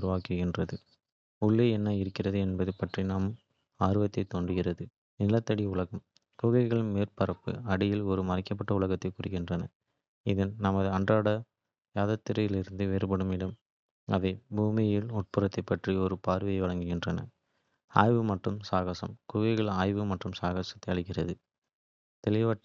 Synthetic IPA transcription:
ʊɾʊʋaːkɯɣɪndrɐðɯ | ʊɭːeːɛnːɐɪɾɯkːɪrɐðɯɛnbɐðɯpɐʈrinaːmɯm | aːɾɯʋɐt̪ːɐɪt̪ːoɳdrɯɣɪrɐðɯ | nɪlɐt̪ːɐɽiʊɭɐɣɐm | kʊɣɐɪɣɐɭɯnmeːrpɐɾɐpːɯ̰ɐɽɪjɪlɔɾɯmɐrɐɪkːɐp̬ːɐʈːɐʊɭɐɣɐt̪ːɐɪkʊrɪɣɪndrɐnɐ | ɪðɐnnɐmɐðɯɐɳdraːɽɐ | jaːðɐt̪ːɪɾɐjɪlɪɾɯnd̪ɯʋeːɾbɐɽɯmɪɽɐm | ɐ̰ʋɐɪbuːmɪjɪlɔʈ̚pɯrɐt̪ːɐɪpːɐʈriɔɾɯpaːɾʋɐjɐɪʋɐɭɐŋɡɯɣɪndrɐnɐ̰ | a̰ːjʋɯmɐʈrɯmsaːɣɐsɐ̰mkʊɣɐɪɣɐɭaːjʋɯmɐʈrɯmsaːɣasɐ̥t̪ːɐɪɐɭɪkːɪrɐðɯ | t̪ɛlɪʋaːʈː

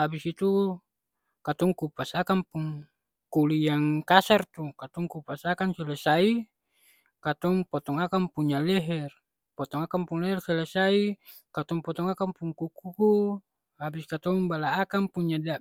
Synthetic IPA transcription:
abisit̪u | kat̪ɔŋkupasakampuŋ | kulijaŋkasart̪ukat̪ɔŋkupasakansilesai | kat̪ɔŋpot̪ɔŋakaŋpuɲalɛɦɛr | pot̪ɔŋakampuŋlɛɦɛrsɛlesai | kat̪ɔŋpɔt̪ɔŋakampuŋkukuku | habiskat̪ɔŋbalaːkaŋpuɲːada

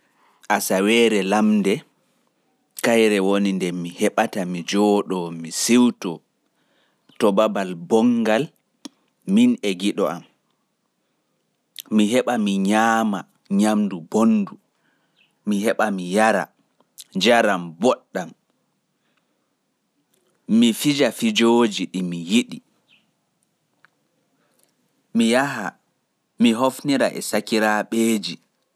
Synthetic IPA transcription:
ʔasawɛːɾɛlamdɛ | kajɾɛwonindɛmihɛɓatamid͡ʒɔːɗɔmisiwtɔ | tɔbabalbɔŋɡal | minɛɡiɗɔam | miɦɛɓamiɲaːma | ɲamdubonːdu | mihɛɓamijaɾa̰ | d͡ʒaɾambɔɗːam | mifid͡ʒafid͡ʒoːd͡ʒiɗimijiɗi | mijaɦa | miɦofniɾaʔɛ̰sakiɾaɓeːd͡ʒi

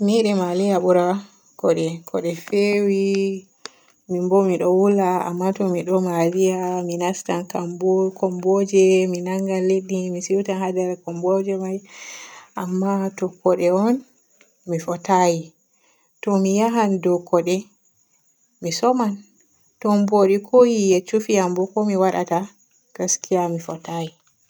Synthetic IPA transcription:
miɗɛmalijaɓuɾa | kɔɗɛkʰɔɗɛfewi | mimbɔmiɗɔwulaa̰mːatɔmiɗɔmalijaminastankambɔkʰɔmbɔd͡ʒɛminaŋɡalːeɗimisiwtanhadɛɾkɔmbɔd͡ʒɛmaj | ʔamːatɔkːɔɗɛɔn | mifɔtaji | tɔmijaɦandɔkːɔɗɛ | misɔman | tɔmboɗikʰojijat͡ʃufiambɔkɔmiwaɗa̰ta | ɡ̥askijamifɔtaji

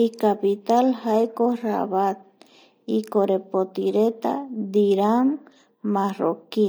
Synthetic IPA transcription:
ikapit̪alhaekora̰βat̪̚ | ikoɾepot̪iɾet̪a̰d̪iɾaŋ | maro̰ki

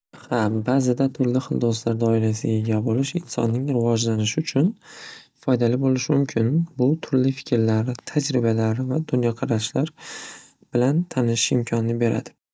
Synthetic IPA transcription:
habazɪd̪at̪ʰʊɾlɪχɨld̪oslaɾd̪ɒɪɾasɪɡʲaeɡʲabolɪʃɪnsɒ̰nːɪŋɾɪvɒd͡ʒlanɪʃɪʊt͡ʃʰʊnfɒjd̪alɪbolɪʃmʊmkʲʰɪnbʊt̪ʰʊɾlifɪ̥kʲɾlaɾt̪ʰad͡ʒɾɪbalaɾvad̪ʊnjɒqʰɑɾaʃlaɾ | b̥ɪlant̪ʰanɪʃɪ̥ʃɪmkʲʰɒnɪnɪbe̞ɾa̰d̪ɪ

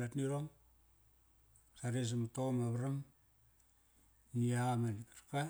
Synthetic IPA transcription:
atniɾoŋ | saɾes̬amatomaβɾam | niaamanikaɾka

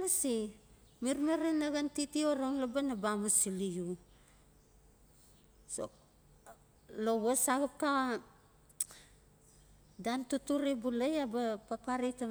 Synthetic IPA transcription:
lasi | miɾmeɾenaɣantitioɾoŋlabanabamusiliju | so̰ | loβosaɣap̚ka | dantutuɾibulejabapapaɾita

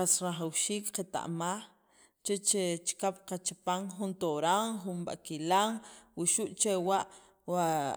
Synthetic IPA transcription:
asɾaχawʃiːkqet̪a̰ʔmaːχ | t͡ʃet͡ʃet͡ʃi̥kapqat͡ʃipaŋχunt̪oɾaŋχunɓa̰ʔkilaŋwiʃuʔt͡ʃewaʔ | wa

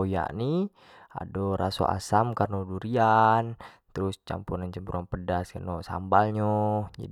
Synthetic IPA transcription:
oja̰ʔni | a̰doɾaso̰ʔa̰samkarnoduɾian | t̪əɾʊst͡ʃa̰mpunant͡ʃəmbuɾanpədaskanosa̰mbalɲod͡ʒa̰d

